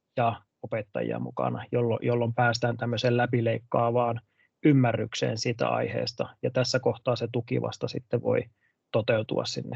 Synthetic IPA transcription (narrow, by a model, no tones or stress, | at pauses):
jɑ | opet̪ːɑjḭɑ̰mṵkɑ̰nɑjolːo̰jolːompæːst̪æːnt̪æmːøseːllæpileikːɑːʋɑːn | ymːærːyksḛːnsiːt̪æ̰ɑ̰ihḛːst̪ɑjɑt̪æsːækoht̪ɑːset̪ukḭʋɑ̰st̪ɑsit̪ːeʋʋo̰i | t̪ot̪eut̪ṵɑ̰ssinːe